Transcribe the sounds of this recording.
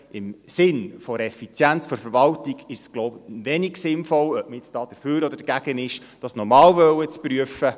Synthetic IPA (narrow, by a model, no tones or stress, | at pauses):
ɪmsɪnfɔɾɛfit͡sjænt͡sfɔɾfəɾʋɑltiɡɪʃsɡ̥loʊbʋɛniɡsɪnfɔlœp̚məɪt͡sd̥ɑːd̪̥əɾføːɾɔd̪əɾdɡæɡ̥ənɪʃ | d̥ɑsnɔɾmɑːlʋœwət͡spɾyəfə